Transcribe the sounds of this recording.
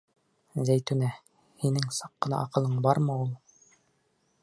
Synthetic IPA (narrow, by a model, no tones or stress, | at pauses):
zæjt̪ʉnæ | hinɘŋsɑqːɤ̆nɑ̰ʔɑqɤ̆lˠɤɴbɑɾmɤulˠ